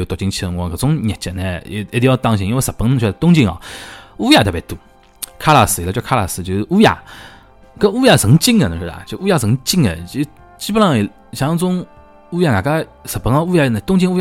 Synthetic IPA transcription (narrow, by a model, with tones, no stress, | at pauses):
jo˧t̪ɔ˨˩t͡ɕi˧ŋt͡ɕʰi˧ŋwɔ˧kə˨˩t͡sʊ˥ŋnʲɛ˨t͡ɕɛ˧nɛ˧e˧˩˥jɑ˧t̪ɑ˥˧ŋɕ̬ĩ˧i˧wsə˨˩pə˧ŋn˧ɕʰɛ˧˩˧t̪ʊ˥ŋt͡ɕi˥˧ŋɑ̰˨˩u˥ja˧t̪ʰe˧˦t̪u˧˩ | kʰa˥la˧sɹ̩˧˩˨la˧˩t͡ɕjo˧kʰa˥la̰˨sɹ̩˧t͡ɕo˧ʊ˧u˥ja̰˨˧ | kə˥˦u˧ja˧˩sə˨˧˦ŋt͡ɕi˥˧ŋɡə˨nə˨˧˩ʂ̩˧˩a̰˨˩t͡ɕo˧˦u˥ja˧˩sə˧˦ŋt͡ɕi˥˧ŋɡə̰˨i˧˦ | t͡ɕi˥pə˧lɑ˥˧ŋi˨ | ɕɑ˧˥t͡sʊ˥ŋ | u˥ja˧na˨˩ka˥˧ | sə˨˩pə˧˦ŋɔ˧u˧ja˧na˨˩t̪ʊ˥ŋt͡ɕi˥˧ŋu˥ja˧˨